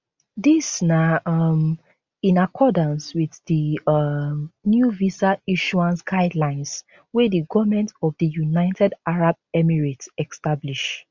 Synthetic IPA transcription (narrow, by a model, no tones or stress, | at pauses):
disnaʌm | ĩnakʰɔdə̃nswiðði | mnjuvisaiʃuãnsɡaɪdlãɪ̃ns | wɛdəɡɔvmɛ̃ntɔvdəjunaɪtɛdaɹab̚ | ɛmiɹitɛkstabliʃ